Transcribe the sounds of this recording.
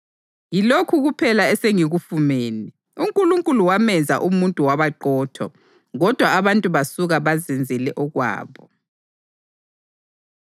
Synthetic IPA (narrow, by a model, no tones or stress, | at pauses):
jilokʰuɣupʰɛlaɛseŋiɣufumeːni | uŋkʼuluŋkʼuluwamɛnd͡zʱa̰ʔumuntʼuwaβaǃɔːtʰɔ̰ | ɣɔd̥ʱwaːβantʼuβasuɣaβazɛnd͡zʱɛlɛʔɔɣwa̰ːβɔ